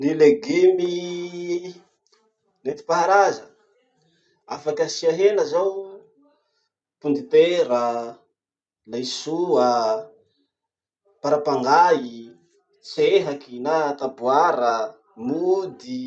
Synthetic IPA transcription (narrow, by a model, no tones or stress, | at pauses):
nileɡemi | net̪i̥paɦaɾazə | afakəsiaɦenəzaw | pund̪it̪eɾə | lajsuə | paɾapaŋɡai | t͡seɦakinat̪abuaɾə | mud̪i